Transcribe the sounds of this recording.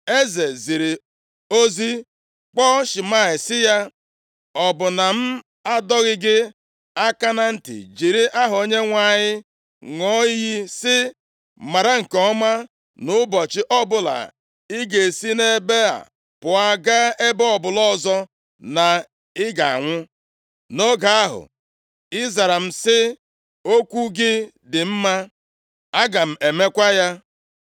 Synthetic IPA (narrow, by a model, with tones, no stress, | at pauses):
e˦ze˨zi˨ɾi˨ | o˦zi˦ | k͡pɔ˦ʃɪ˨ma˦˨ɪ˨sɪ˦ja˦ | ɔ˨bʊ˨na˨m̩˦ | a˦dɔ˦ɣɪ˦ɡɪ˦ | a˦ka˦na˦n̩˦tɪ̰˨d͡ʒi˨ɾi˦ʔa˦ɦo˦ɲe˦ŋʷa˦˨ɲɪ˦ | ŋɔ˦ji˦sɪ˦ | ma˨ɾa˦ŋ̩˨kɔ˦ma˦ | nʊ˨˦bɔ˨t͡ʃɪ˦ʔɔ˦bʊ˨la̰˨ | ɪ˦ɡe˨si˦ne˦be˦a̰˨ | pʊ˨a˨ɡa˦e˦bɔ˦ɔ˨bʊ˨lɔ˦zɔ˦ | na˨ | ɪ˦ɡa˨a̰˨ŋʷʊ˦ | no˦ɡa˨a˦ɦʊ̰˨ | ɪ˦za˨ɾa˨m̩˦˨sɪ˦ | o˦kʷu˦ɡɪ˦ | dɪ˨m̩˦ma˦ | a˦ɡa˨m̩˨e˨me˦kʷa˦ja˦